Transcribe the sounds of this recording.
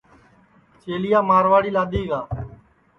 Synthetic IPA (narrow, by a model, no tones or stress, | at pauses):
t͡ʃeːlɪjaːmaːɾʋaːɽiːlaːɗ̪iːɡaː